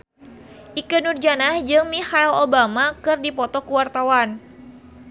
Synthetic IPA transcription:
ʔikənurd͡ʒanahd͡ʒɨŋmihailobamakɨrdipɔt̪ɔkuwart̪awan

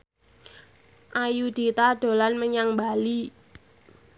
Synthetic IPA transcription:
ʔajud̪̥it̪ad̪̥o̤lanməɲaŋbali

